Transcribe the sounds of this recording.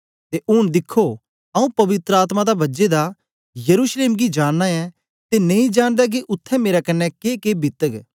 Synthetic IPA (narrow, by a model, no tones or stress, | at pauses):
t̪eʔʊnd̪ɪkʰːo | ɐũpɐʋɪt̪ɾəaːt̪mad̪abɐd͡ʒed̪a | jɐɾuːʃleːmɡid͡ʒaːɽːaɛ̃ | t̪enɐ̃ĩd͡ʒaːɽ̃d̪ɛk̬iʔʊt̪ʰːɛ̃meːɾakɐnːɛkeːkeːbɪt̪əɡ